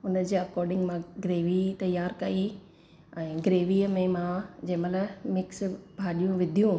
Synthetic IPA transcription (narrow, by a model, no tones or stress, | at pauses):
ʊnə̆d͡ʑeːɐkɔːɾɖɪ̃ŋɡmãɡɾeːʋit̪ɐjaːɾkɐi | ɛ̃ːɡɾeːʋiːəmẽmãd͡ʑɐ̃ɦmɐtlɐbmɪksbʱaːɗijũʋɪd̪ʱijũ